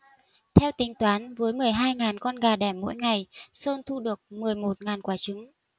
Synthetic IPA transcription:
t̪ʰɛ˧wt̪ï˨˧˩ŋ̟t̪waː˨˦nvəː˨˦jmɨ˨˩əjɦaː˧jŋaː˨˩nkɔ˧nɣaː˨˩ɗɛ˧˩mːo̰˧˥jŋa˨˩jsə˧nt̪ʰu˧ɗɨ˨˩ək̚mɨ˨˩əjmo˨˩t̚ŋaː˨˩nkwaː˨˦t͡ɕɨ˨˦ŋ

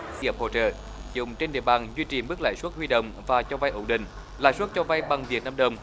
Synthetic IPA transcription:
ʔə˧˩p̚ho̰˧˨t͡ɕə̰ː˧˨ | zʊ˨˩ŋ͡mt͡ɕe˧nɗḭ˧˨əɓaː˨˩nzwi˧t͡ɕi˨˩mɨ˦˥k̚la̰ː˧˨jswə˦˥t̚hwi˧ɗə̰˧˨wŋ͡mvaː˨˩t͡ɕɔ˧va˧jʔo˧˩nɗḭ̈˧˨ŋ̟ | la̰ː˧˥jswə˦˥t̚t͡ɕɔ˧va˧jɓa˨˩ŋvi˨˩ət̚naː˧mɗə˧˩wŋ͡m

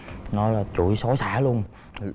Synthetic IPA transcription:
nɔ˨˦jlaː˨˩t͡ɕṵ˧˩jso˨˦saː˧˥˩lu˧ən

